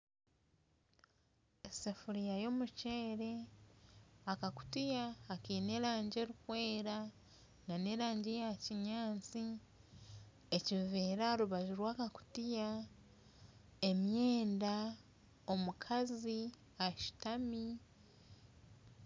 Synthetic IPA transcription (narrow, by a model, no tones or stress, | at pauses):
esefuɾijajo̞ːmuce̞ːɾe̞ | akaku̥tijaːkiːne̞ːɾaːɲɟe̞ːɾukwe̞ːɾa | nane̞ːɾaːɲɟejaciɲaːnt͡si | eciveːɾaɾuβaʒuɾwaːkaku̥tija | e̞mje̞ːnda | o̞mukʰazi | aʃi̥tami